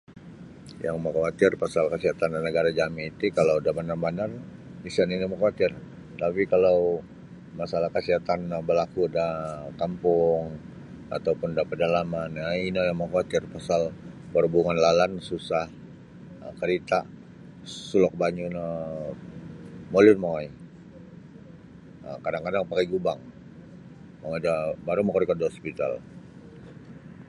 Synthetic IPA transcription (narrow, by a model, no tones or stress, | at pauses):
jʔa̰ŋmakawat̪ɪrpasalkəsiɦat̪ananəɡaɾad͡ʒamiit̪ukalawdabanarbanar | isaninamakawat̪ɪr | t̪apikalaw | masalahkəsiat̪anbəlakudakampʊŋ | a̰t̪awpʊndapədalamanjainajaŋmakawat̪ɪrpasalbərbuŋanlalansusah | əkəɾit̪a | sulɔk̚baɲuna | molʊnmaj | əkadaŋkadaŋpakaɡubaŋ | maad͡ʒabaɾumakɔɾikat̪̚diɦɔspit̪a̰l